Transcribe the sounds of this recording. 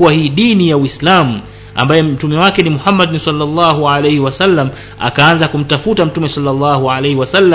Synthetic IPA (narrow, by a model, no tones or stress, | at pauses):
uwahiːɗinijawislamu | a̰mbajɛm̩tumɛwakɛnimuhamːaɗnsalːɑlˤːɑːɦualejhiwasalːam | a̰kaanzakum̩tafutam̩tumɛsalːalːɑːhualejhiwasalːa